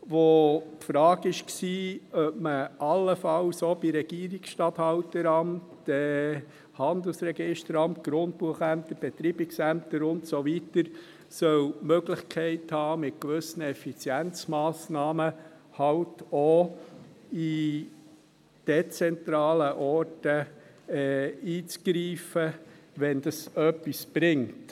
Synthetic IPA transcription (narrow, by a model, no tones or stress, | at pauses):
ʋotfɾɑːɡɪʃksiːœpməʔɑlːəfɑlsob̥iɾɛɡ̥iːəɾiksʃtɑthɑwtəɾɑmtː | ɛ | hɑnd̪əl̩sɾɛɡɪʃtəɾɑmtɡ̥ɾʊnt̚puəχæmt̪əɾb̥ɛt̪ɾiːbɪksæmtəɾʊntsovitəɾ | sœlmøɡlɪχkʰɛɪthɑːmɪtkʋʏsnəɛfit͡sjænt͡smɑːsnɑːmə | hɑwto | i | d̥ɛt͡sɛntɾɑːləʔɔrtə | ɛiːt͡sɡ̥ɾiːfəʋɛndəsœpːisb̥ɾɪŋt